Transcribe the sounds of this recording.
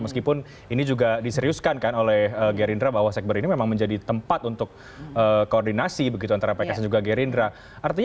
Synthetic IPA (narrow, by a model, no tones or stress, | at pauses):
məskipʊn | inid͡ʒuɡadisəɾiʊskankanolɛhhəɡeɾindɾabaɦwasɛk̚bəɾinimemaŋməɲd͡ʒadit̪əmpat̪unt̪ʊk̚ | əːkːəordinasibəɡit̪uant̪aɾapajkasand͡ʒuɡaɡeɾindɾa | art̪iɲ